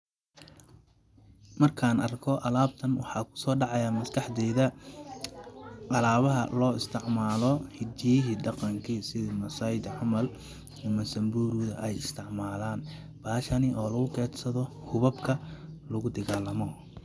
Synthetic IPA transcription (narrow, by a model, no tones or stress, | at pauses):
mɐrkʰaːnɐrkʰɔʔɐlaːb̚t̪ʰɐnwɑħɑːkʰʊ̥sɔːɖɑʕɑjaːmɐskʰɑħd̪ɛːðɐ | ʔɑlaːβɐɦɐ̰lɔːɪst̪ʰɪʕmaːlɔhɪd̪ijɪɦiːɖɑqɑŋkʰisɪðimɐsɐjd̪ʕʊmɐl | ɪmɐsɐmbuːɾuðɐ̰ʔɛjɪst̪ʰɪʕmaːlaːn | b̥aːʃɐnɪʔɔːlɐɣʊkʰɛːd̪sɐðɔ | hʊβɐbkʰɐlɐɣʊd̪ɐɣaːlːɐmɔ